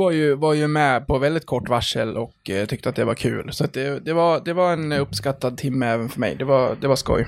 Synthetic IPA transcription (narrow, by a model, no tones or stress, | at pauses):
vaɾjɵvaɾjɵmɛpʰɔvɛld̪ɪt̪̚kʰɔʈːvaʂəlɔkːt̪ʰʏk̚t̪əat̪̚d̪ɛvaɾkʰʉ̟̰ːlsɔat̪̚d̪ɛd̪ɛvaɾd̪ɛvaɾɛnɵpːskat̪ːad̪̚t̪ʰɪmːəɛːvənfœɾmɛ̰jd̪ɛvaɾd̪ɛvaʂkɔ̰j